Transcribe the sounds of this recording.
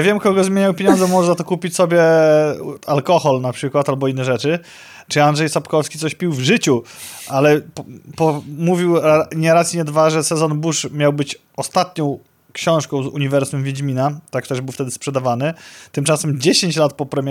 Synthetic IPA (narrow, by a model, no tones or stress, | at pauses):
avʲjɛmkɔɡɔzmʲjeɲawpʲjeɲɔnd̪zɛmɔʐɛzat̪ɔkupʲit͡ɕsɔbʲjɛ | alkɔxɔlnapʂɘkwat̪albɔinːɛʐɛt͡ʂɘ | t͡ʂɘandʐɛjsapkɔfskʲit̪sɔɕpʲiwvʐɘt͡ɕuʔalɛpɔmuvʲiwaɲɛɾat̪sʲɲɛd̪vaʐɛsɛzɔnbuʂmʲjawbɘt͡ɕ | ɔst̪at̪ɲɔ̃w̃ | kɕɔ̃w̃ʂkɔ̃w̃zṵɲivɛɾsumvʲjed͡ʑmʲinat̪akt̪ɛʐbɘwft̪ɛd̪ɘspʂɛd̪avanɘt̪ɘmt͡ʂasɛmd͡ʑeɕeɲt͡ɕlat̪̚pɔpɾɛmʲjɛ